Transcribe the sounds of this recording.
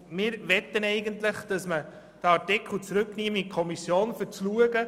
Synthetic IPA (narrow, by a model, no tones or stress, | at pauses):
mɪːɾʋɛt̪ːənɛɪɡənt̪ləχd̥ɑsmə | d̥əɑɾtikχl̩t͡sɾʉkːniːmikʰɔmisjoːnfəɾt͡sluəɡə